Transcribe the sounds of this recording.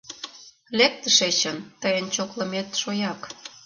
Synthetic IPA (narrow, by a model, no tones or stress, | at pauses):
lek̚t̪əʃet͡ɕənt̪əjənt͡ɕoklə̆met̪ʃojɑk